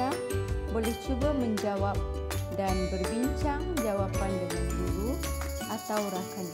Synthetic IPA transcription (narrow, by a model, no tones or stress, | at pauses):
a | bolɛht͡ʃubamə̃ɲd͡ʒawap̚danbərbiɲt͡ʃaŋd͡ʒawapandəŋanɡuɾu | ʔat̪awɾakan